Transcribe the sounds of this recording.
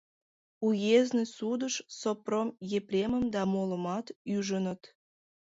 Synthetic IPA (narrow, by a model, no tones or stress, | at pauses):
ujeznesud̪əʃsopromjepɾʲeməmd̪ɑmoləmɑt̪yʒənət̪